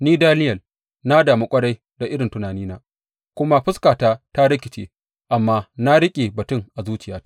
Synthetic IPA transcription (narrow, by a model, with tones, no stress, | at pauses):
niː˦daː˦nɪ˦jɐ˨l | na˦daː˨mu˦kʷʼɐ˦ɽa˦j | da˨ʔɪ˦ɽɪ˨ntʊ˨naː˨niː˦naː˦ | kʷʊ˦ma˦ɸɪ˦skaː˨taː˦ta˦ɽɪ˦kʲɪ˨t͡ʃḛː˦ | ʔa˨mːaː˦na˦ɽɪ˦kʲʼeː˨bɐ˨tʊ˦ŋʔa˨zuː˦t͡ʃɪ˦jaː˦